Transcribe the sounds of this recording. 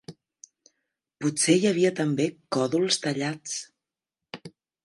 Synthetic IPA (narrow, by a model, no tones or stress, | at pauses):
pusejəβiət̪əmbekɔðulˠst̪əʎat͡s